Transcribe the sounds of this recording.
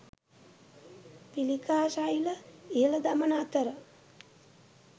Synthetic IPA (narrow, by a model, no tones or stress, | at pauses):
pilikaːsajiləiɦələd̪amənat̪əɾə